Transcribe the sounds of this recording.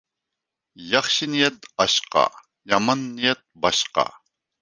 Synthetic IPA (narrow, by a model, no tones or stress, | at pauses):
jɑχʃinijɛt̪ɑʃqɑ̰ | jɑmɑnːijɛt̪̚bɑʃqɑ̰